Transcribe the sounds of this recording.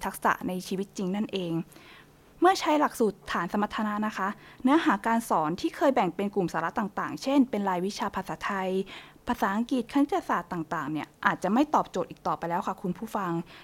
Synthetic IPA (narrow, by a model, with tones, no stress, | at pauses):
t̪ʰa˦˥k̚sa̰˨˩ʔna˧jt͡ɕʰiː˧wi˦˥t̪̚t͡ɕi˧ŋna˥˩nʔeː˧ŋ | mɯ˥˩ɐt͡ɕʰa˦˥jla˨˩k̚suː˨˩t̪ʰːaː˩˦nsa˧˦ma˧˥t̪ʰːa˧na˦˥na˦˥kʰa˦˥ʔnɯ˦˥ɐɦaː˩˦kaː˧nsɔː˩˦nt̪ʰiː˥˩kʰɤː˧jbɛ˨˩ŋpe˧nku˨˩msaː˩˦la˦˥t̪aː˨˩ŋt̪aː˨˩ŋt͡ɕʰe˥˩npe˧nɾaː˧jwi˦˥t͡ɕʰaː˧pʰa˧saː˩˦˥t̪ʰa˧j | pʰaː˧saː˩˦ʔa˧ŋki˨˩t̪̚kʰa˧na˦˥t̪ja˧saː˨˩t̪ːaː˨˩ŋt̪aː˨˩ŋni˥˩ɐʔaː˨˩t̪̚t͡ɕa˨˩ma˥˩jt̪ɔː˨˩p̚t͡ɕo˨˩t̪ʔiː˨˩t̪ɔː˨˩pa˧jlɛː˦˥wkʰa˥˩kʰu˧npʰuː˥˩fa˧ŋ